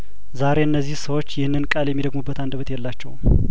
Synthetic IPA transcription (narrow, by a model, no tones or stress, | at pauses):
zaɾe̞ɨnːəzːihsəwot͡ʃːjɪhnːɨnkʼaljɛmːid̪əɡmubːət̪and̪əβət̪jɛlːat͡ʃːɛw